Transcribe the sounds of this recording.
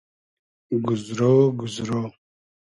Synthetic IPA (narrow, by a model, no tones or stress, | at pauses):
ɡʊzɾowɡuzɾo